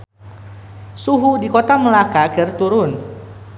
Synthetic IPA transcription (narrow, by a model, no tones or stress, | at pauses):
suɦudikot̪aməlakakɨrt̪uɾʊn